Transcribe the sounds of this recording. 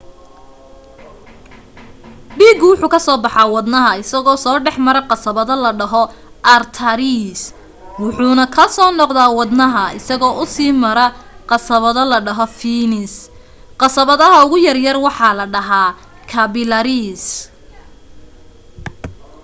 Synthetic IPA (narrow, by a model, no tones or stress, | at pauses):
biːɡwʊħuːkʰɐsɔːbɑħɑːwɑd̪nɐɦɐɪsɐɣɔːsɔːɖɛħmɐɾɐqɑsɐβɐðɐlɐɖɐɦɔ | ʔɐrt̪ʰɐɾis | wʊħuːnɐkʰɐsɔːnɔqðaːwɑd̪nɐɦɐɪsɐɣɔːʔʊsiːmɐɾɐqɑsɐβɐðɐlɐɖɐɦɔfiːnɪs | qɑsɐβɐðɐɦɐʊɣʊjɐrjɐrwɑħɑːlɐɖɐɦaː | kʰɐβɪlɐɾis